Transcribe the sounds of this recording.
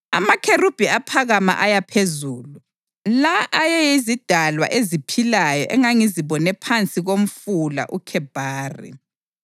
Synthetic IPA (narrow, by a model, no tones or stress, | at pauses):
a̰makʰerub̥ʱiapʰaɣama̰ʔajapʰezuːlu | laʔːjɛjizid̥ʱalwa̰ʔezipʰilajɔʔɛŋaŋiziβɔnɛpʰant͡sʼiɣom̩fula̰ʔukʰɛb̥ʱaːrḭ